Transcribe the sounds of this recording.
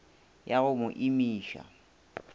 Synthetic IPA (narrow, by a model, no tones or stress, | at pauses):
jaɣʊmʊʔimiːʃa̰